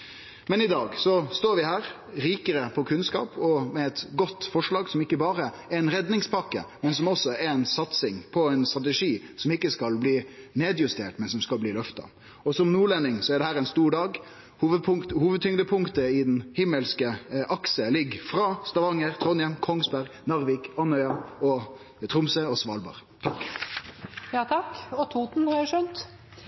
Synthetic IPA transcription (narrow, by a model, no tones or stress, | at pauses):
mɛnɪd̪ɑːɡsɔst̪oːɾʋɪhæːɾ | ɾiːkəɾəpʰɔkʰʉnskɑ̰ːpʰɔmɛɛt̪ɡɔt̪ːfɔʂɭɑːɡsɔmɪkːəbɑːɾə | ɛɛnɾɛd̪nɪŋspʰɑkːə̰mɛnsɔmɔsːɔɛɾɛnsɑt̪sɪŋpʰɔɛnst̪ɾɑt̪̬ɛʂiːsɔmɪkːəskɑlbliːneːd̪jʉst̪ʰḛːʈmɛnsɔmskɑlbliːlœft̪ɑ̰ | ɔsɔmnuːɭɛnːɪŋsɔɛɖɛhæːʁɛɪnst̪uːɖɑːɡ | huːʋəpʰʊŋt̪huːʋəd̪̚t̪ʰʏŋd̪əpʰʊŋkt̪əɪd̪ɛnhɪmːəlskəʔɑksəlɪɡfɾɑːst̪ɑʋɑŋːəʁt̪ʰʁɔnjɛmkʰɔŋsbæɾɡnɑʁʋɪkɑnœʏɑɔ | t̪ʰɾʊmsəɔsʋɑ̰ːlbɑ̰ːʁt̪ʰɑkː | jɑːt̪ʰɑkɔt̪ʰuːt̪n̩hɑæʂœnt̪